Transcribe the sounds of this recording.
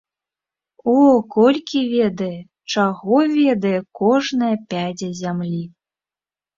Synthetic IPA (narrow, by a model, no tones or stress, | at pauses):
ɔkɔlʲkʲivʲɛd̪ɐjɛ | t͡ʂaɣɔvʲɛd̪ɐjɛkɔʐnɐjɐpʲad͡zʲɐzʲamlʲi